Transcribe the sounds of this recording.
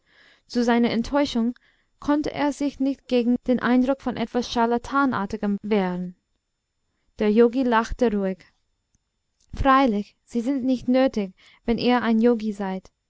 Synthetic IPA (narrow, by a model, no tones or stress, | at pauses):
t͡suzaɪnɐɛntʰɔʏʃʊŋ | kʰɔntə̰ʔḛːɐzɪçnɪçt̚ɡ̥eːɡŋ̩d̥eːnʔa̰ɪ̃ndʁʊkfɔnʔɛtv̥asʃalatʰaːnʔa̰ːɐtɪɡəmveːʁn̩ | d̥eːɐjoːɡilaxtəʁuɪç | fʁ̥aɪlɪç | z̥iːzɪntnɪçtnøːtɪç | vɛnʔeːɐaɪnjoːɡizaɪt